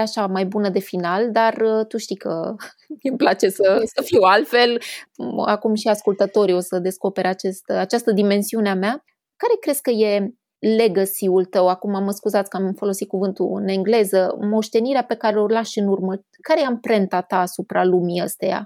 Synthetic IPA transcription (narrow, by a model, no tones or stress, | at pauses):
aʃamajbunəd̪e̞finald̪art̪uʃt̪ikə | memplat͡ʃe̞səsəfiwalt̪fe̞l | akumʃiaskult̪ət̪o̞ɾio̞səd̪e̞sko̞pe̞ɾat͡ʃest̪əat͡ʃast̪əd̪ime̞nsiuneamea | kaɾe̞kɾe̞skəje̞ | le̞ɡəsiult̪əwakumaməskuzat̪sʲkəamfo̞lo̞sit̪̚kuvɨnt̪uɨ̰ne̞ŋɡle̞zəmo̞ʃt̪e̞niɾeape̞kaɾelo̞rlaʃɨnurmə | kaɾejeampɾe̞nt̪at̪aːsupɾalumiəst̪eja̰